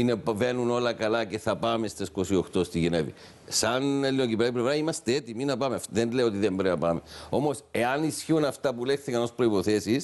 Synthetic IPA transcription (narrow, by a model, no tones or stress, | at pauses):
inepvenuno̞lɐkɐlɐce̞θɐpɐmest̪esko̞sioxt̪o̞st̪iʝenevḭ | sɐnelːiocipɾɐiplevɾɐimɐst̪eet̪iminɐpɐmefðenleio̞t̪iðembɾeɐpɐmeo̞mo̞se̞ɐnisçiunɐft̪ɐpulext̪ekɐno̞spɾo̞ipo̞θesis